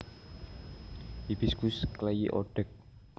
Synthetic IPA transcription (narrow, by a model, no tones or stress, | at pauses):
ipiskʊsklɛjḭʔoɖ̥ək̚